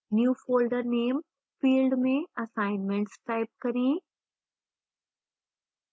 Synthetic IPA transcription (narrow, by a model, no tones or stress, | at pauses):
njuːfoːlɖəɾneːm | fiːlɖmẽɐsaːɪnmẽɳʈsʈaːɪp̚kɐɾĩ